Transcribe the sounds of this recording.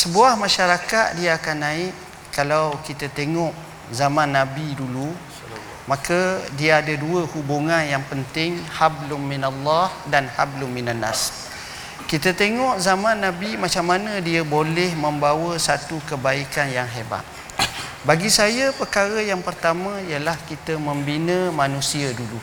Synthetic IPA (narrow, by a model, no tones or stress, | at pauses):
səbuahmãʃaɾakat̪̚diaakanːãɪʔ | kalawkit̪at̪eŋɔʔ | zamãnːãbidulu | makədiaadaduəhubuŋanjaŋpənt̪ɪŋhablʊnminalːahdanhablʊmminanːa̰s | kit̪at̪eŋɔʔzamãnːãbimãt͡ʃamːanə̃diabolɛhmə̃mbawəsat̪ukəbaikanjaŋɦeba̰t̪̚ | baɡisajapəkaɾəjaŋpərt̪amãijəlahkit̪əmə̃mbinəmanũsiadulu